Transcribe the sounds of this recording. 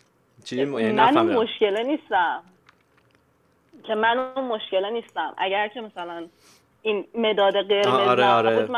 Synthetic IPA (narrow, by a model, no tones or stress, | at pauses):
t͡ʃimænnmoʃce̞leniːst̪æm | cʰe̞mænuːnmo̞ʃce̞leniːst̪æmʔæ̰ɟæɾcʰe̞mæsælæn | inmed̪ɒːd̪eɢe̞ɾmezɾbuːd̪mæ